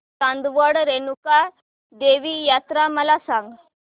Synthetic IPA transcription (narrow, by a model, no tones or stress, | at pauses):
t̪ãnd̪ʋəɽɾenuka | d̪eʋijat̪ɾaməlasãŋɡ